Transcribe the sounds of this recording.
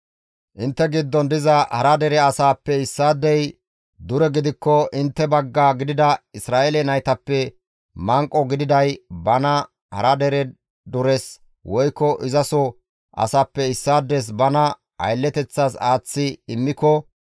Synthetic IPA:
ʔɪnt̪ːɛɡɪd̪ːɔnd̪ɪzɐhɐɾɐd̪ɛɾɛɐsaːpːɛɪsːaːd̪ːɛj | d̪ʊɾɛɡɪd̪ɪkːɔʔɪnt̪ːɛbɐɡːaːɡɪd̪ɪd̪ɐɪsɾaːʔɛlɛnɐjt̪ɐpːɛ | mɐŋkʼːɔɡɪd̪ɪd̪ɐjbɐnɐ | hɐ̰ɾɐd̪ɛɾɛ | d̪ʊɾɛs | wɔjkːɔʔɪzɐsɔ | ʔɐ̰saːpːɛɪsːaːd̪ːɛs̬bɐnɐ | ɐ̰jlːɛt̪ɛt͡sːaːsaːt͡sːɪɪmːɪkɔ

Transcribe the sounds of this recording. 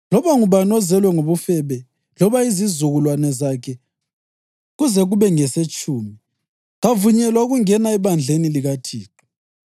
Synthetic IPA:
lɔβaŋuβanɔzɛlwɛŋoβufɛβɛ | lɔβaizizuɣulwanɛzakʰɛ | ɣuzɛɣuβɛŋɛset͡ʃʼuːmi | ɣavuɲɛlwauɣuŋɛnaɛβand͡ɮʱeniliɣatʰiːǃu̥

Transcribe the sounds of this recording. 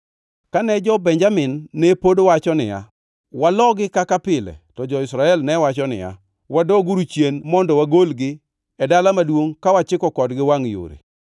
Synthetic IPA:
kanɛd͡ʒɔbɛɲd͡ʒamɪnːɛpodowat͡ʃɔnɪ̰ja̰ | walɔɡɪkakapɪlɛ̰tɔd͡ʒɔɪsɾaɛlnɛwat͡ʃɔnɪ̰ja̰ | wadɔɡuɾut͡ʃjenmɔndɔwaɡolɡɪ | ɛdalamadwoŋkawat͡ʃɪkɔkɔdɡɪwaŋjo̰ɾḛ

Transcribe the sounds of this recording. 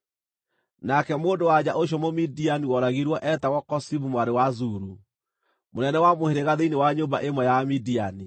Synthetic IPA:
nakɛmoːndowad͡ʑaʔoɕ̬ɔmomidianiwɔɾaɣiɾwɔʔɛtaɣɔkɔsiβumwaɾewazuɾu | monɛnɛwamoheɾeɣaðeinewaɲoːmbaʔemwɛjamidiani

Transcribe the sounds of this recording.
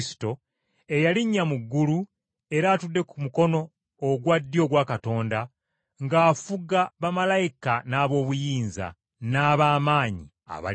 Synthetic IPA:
si̥to̞ | e̞jaliɲːamuɡːulu | e̞ɾaːtudːe̞kumuko̞no̞ː | ɡwadːjo̞ːɡwaːkato̞ːnda | ŋɡaːfuɡaβamalajikanaːβo̞ːβujiːnza̰ | naːβaːmaːɲḭ | a̰βa̰

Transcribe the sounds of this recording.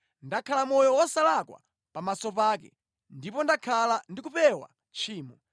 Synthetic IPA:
ndakʰalamɔjɔwɔsalakwa̰ | pamasɔpaːkɛ̰ | ndipɔndakʰalandikupɛwa̰ | t͡ʃʰiːmɔ

